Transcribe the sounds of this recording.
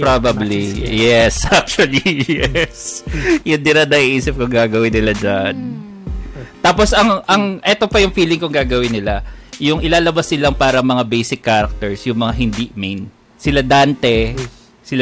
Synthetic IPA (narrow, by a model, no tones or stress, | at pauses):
pɾabɐblijɛsʔak̚t͡ʃʊɐlijɛsjʊnd̪ɪɾanɐʔiʔiːsɪp̚kʊŋɡaːɡɐwɪnːɪlad͡ʒan | t̪aːposɐŋʔɐŋʔɛt̪o̞pɐjʊŋfiːlɪŋkʊŋɡaːɡɐwɪnɪlajʊŋʔɪlaːlɐbasnɪlaŋpaːɾɐŋmɐŋabejsɪkːaːɾɐk̚t̪ɛɹsjʊŋmɐŋaɦɪnd̪iʔmejn | sɪlad̪aːnt̪ɛ | sɪl